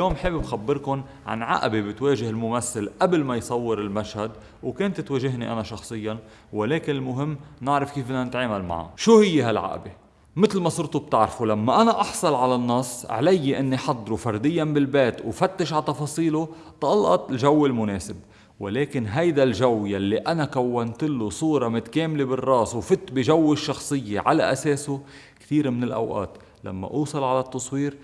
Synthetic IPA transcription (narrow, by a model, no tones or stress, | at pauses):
ljoːmħeːbbxabːɪɾkʊn | ʕa̰nʕa̰ʔbebɪt̪weːʒɪhɪlmʊmaθːɪlʔablmajsˤɑwːɪɾɪlmaʃhad̪ | wkeːnt̪t̪weːʒɪɦniʔa̰naʃɑxsˤɨjːa | wɪleːkɪnɪlmʊɦɪmːnɪʕɾɪfkiːfʔɪnːanɪt̪ʕaːmalma̰ʕa̰ʃuːhɪjːeɦalʕa̰ʔbe | mɪt̪lmasˤʊɾt̪ub̚t̪ɪʕɾfulamːaʔanaʔɑħsˤɑlʕalanːɑsˤʕa̰lajːʔɪnːiħɑd̪ˤːɾufɑɾˤd̪ɪjːanbɪlbeːt̪wfat̪ːɪʃʕat̪ɑfɑːsˤiːlʊ | t̪ʔɑlʔɑ̰t̪ˤɪlʒawːɪlmʊneːsɪb̚ | wɪleːkɪnɦajd̪alʒawːjalːiʔanakawːant̪ɪlːʊsˤuːɾˤɑmʊt̪ḁkeːmlebɪrˤːɑːswfɪt̪biʒawːɪʃːɑxsˤɨjːeʕalaʔaseːsʊ | kt̪iːɾmɪnɪlʔa̰wʔa̰ːt̪ | la̰mːa̰ʔuːsˤɑlʕalat̪ːɑsˤwiːɾ